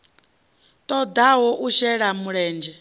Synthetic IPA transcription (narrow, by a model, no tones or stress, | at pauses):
t̪ʼɔd̪aɦɔʔuʃɛɺamuɺɛːnd͡ʒɛ